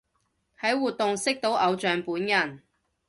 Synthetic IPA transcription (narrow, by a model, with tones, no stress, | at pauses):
hɐ˨˥jwuː˨t̚t̪ʊ˨ŋsɪ˥k̚t̪o˨˥wʔɐ˨˧wt͡ʃœː˨ŋpuː˨˥njɐ˨˩n